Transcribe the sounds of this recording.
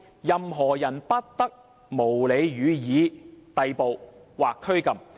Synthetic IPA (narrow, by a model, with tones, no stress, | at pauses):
jɐ˨mɦɔː˨˩jɐ˨˩npɐ˥t̚t̪ɐ˥k̚ | mo˨˩wle˨˧jjyː˨˧jiː˨˧˥t̪ɐ˨jpo˨wwaː˨kʰːɵ˥ɥkɐ˨m